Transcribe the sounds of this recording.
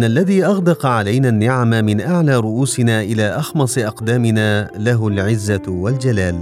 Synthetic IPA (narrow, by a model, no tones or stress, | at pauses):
nʔalːaðiːʔɑɣd̪ɑqɑʕalajnaːnːɪʕamamɪnʔaʕlaːɾˤʊʔuːsɪnaːʔɪlaːʔɑxmɑsˤɨʔɑqd̪aːmɪnaːlaɦʊlʕɪzːawald͡ʒalaːl